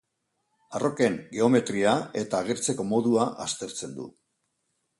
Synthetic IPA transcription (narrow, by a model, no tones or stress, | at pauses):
aro̞ke̞ŋɡe̞o̞me̞t̪ɾiae̞t̪aːɣ̞e̞ɾt͡se̞ko̞mo̞ðuaʔast̪e̞ɾt͡se̞nd̪ṵ